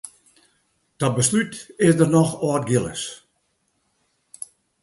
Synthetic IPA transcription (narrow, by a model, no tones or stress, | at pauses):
d̥ɔt̚bəslytɪsdərnɔxɔːt̚ɡɪlə̰s